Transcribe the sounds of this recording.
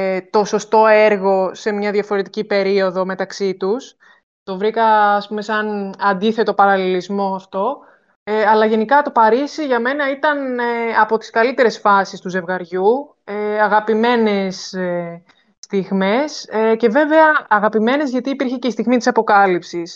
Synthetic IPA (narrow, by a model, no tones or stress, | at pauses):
t̪o̞so̞st̪o̞e̞ɾɣo̞se̞mɲɐðjɐfo̞ɾe̞t̪icipe̞ɾio̞ðo̞me̞t̪ɐksit̪us | t̪o̞vɾikɐːspume̞sɐnɐnd̪iθe̞t̪o̞pɐɾɐlilizmo̞ɐft̪o̞ | ɐlɐʝe̞nikɐt̪o̞pɐɾisiʝɐme̞nɐit̪ɐneɐpo̞t̪i̥skɐlit̪e̞ɾe̞sfɐsist̪uze̞vɣɐɾʝu | eɐɣɐpime̞ne̞se | t̪iɣme̞sce̞ve̞ve̞ɐːɣɐpime̞ne̞zʝɐt̪iːpiɾçece̞ist̪iɣmit̪i̥sɐpo̞kɐlipsis